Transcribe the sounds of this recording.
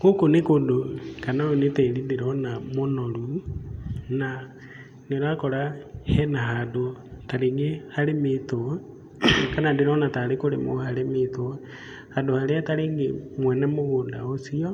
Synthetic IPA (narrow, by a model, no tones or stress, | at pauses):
kokonekondokanaonetelindiɾɔnamonolu | na | neɾakɔɾahɛnaɦadotaɾeŋɡehaɾemito | kanandiɾɔnatalekoɾemo̰halemito | hadohaɾeataɾeŋɡemwɛnɛmoɣonda̰osio